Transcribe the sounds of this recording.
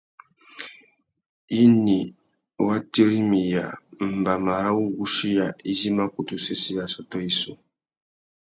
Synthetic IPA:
i˦ni˨ | wa˦ti˦ɾi˦mi˨ja˨m̩˨ba˨ma˨ɾa˦wu˦ɡu˦ʃi˦ja˨i˦zi˦ma˦ku˨tu˦se˦si˦ja˨sɔ˨tɔ˦i˦so˦

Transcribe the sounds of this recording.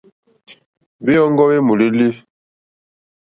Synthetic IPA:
be˦jɔ˦ŋ˦ɡɔ˦we˦mu˨li˦li˦

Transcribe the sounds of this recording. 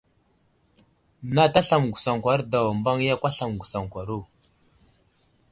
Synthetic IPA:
na˦ta˦ɬa˨mɡʷu˨sa˨ŋkʷa˨˦ɾda˨wa˨mba˦ŋja˦kʷa˦ɬa˨mɡʷu˨sa˨ŋkʷa˨ɾu˦˨

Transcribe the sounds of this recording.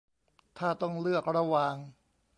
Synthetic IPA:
t̪ʰaː˥˩t̪ɔ˥˩ŋlɯ˥˩ək̚ɾa˧wa˧ŋ

